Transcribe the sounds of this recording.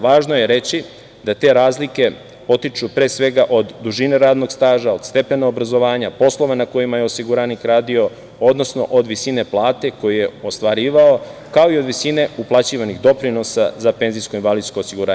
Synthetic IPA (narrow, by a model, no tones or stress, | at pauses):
ʋaːʒnoje̞ɾe̞t͡ɕi | d̪at̪e̞ɾaːzlike̞ | po̞t̪it͡ʃupɾe̞ːsʋe̞ɡaʔo̞d̪ːuʒine̞ɾaːd̪no̞ɡst̪aːʒao̞d̪st̪e̞pe̞naobɾazo̞ʋaːɲapo̞slˠo̞ʋanako̞jimajeosiɡuɾaːnikɾaːd̪io̞ | od̪no̞sno̞̰ʔod̪ʋisine̞plˠaːt̪e̞ko̞jije̞ost̪ʋaɾiːʋao̞kao̞io̞d̪ʋisine̞uplˠat͡ɕiːʋaniɣd̪o̞pɾino̞sa̰zape̞ːnzijsko̞inʋalid̪sko̞ːsiɡuɾaːɲ